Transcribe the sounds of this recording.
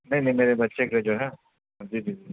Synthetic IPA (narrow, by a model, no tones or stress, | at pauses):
nɐ̃ĩnɐ̃ĩmeːɾebɐtːʃekeled͡ʒoːɦɛ | d͡ʒiːd͡ʒiːd͡ʒi